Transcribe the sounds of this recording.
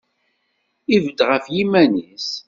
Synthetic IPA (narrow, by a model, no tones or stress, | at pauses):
ivəd̪ʁəfjimænis